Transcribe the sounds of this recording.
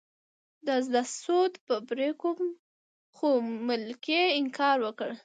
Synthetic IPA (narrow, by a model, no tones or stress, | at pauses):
d̪azlasod̪pəpɾekom | xomɪlkeɪŋkʰɑɾwəkəɽ